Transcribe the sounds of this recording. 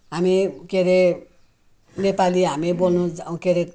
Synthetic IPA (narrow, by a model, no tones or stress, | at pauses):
ɦamikeɾe | nepaliɦamibolnud͡zũkeɾe